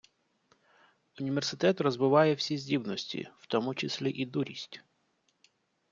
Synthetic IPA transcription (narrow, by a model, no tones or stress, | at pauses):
ʊnʲiʋʲersɪt̪ɛt̪rɔzbɪʋɑjɛwsʲizʲdʲibnɔsʲtʲḭw̥t̪ɔmʊt͡ʃɪsʲlʲiʔid̪uɾʲisʲtʲ